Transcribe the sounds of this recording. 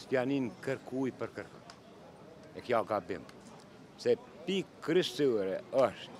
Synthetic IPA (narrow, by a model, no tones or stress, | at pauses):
spjaninkəɾkʰujpəɾkəɾkə̰n | ɛkjaɡabḭm | sɛ | pikɾəʃt̪uɾɛɔʃt̪